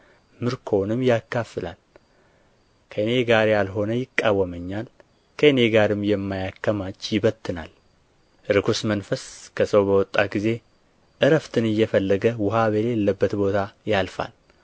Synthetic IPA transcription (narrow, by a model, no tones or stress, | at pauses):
mɨɾkʰo̞nɨmjakːafɨla̰l | kʰəɨne̞ɡaɾjalɦo̞nəjɪkʼːawːəməɲːal | kʰəɨne̞ɡaɾɨmːjɛmːajakːəmat͡ʃːjɪβət̪ːɨna̰l | ɾɨkʰusmənfəskʰəsəwbəwɔt̪ʼːaɡize̞ | ʔɨɾəft̪ʰɨnɨjːɛfəlːəɡəwʊɦaβelelːəbːət̪bo̞t̪ʰajalfa̰l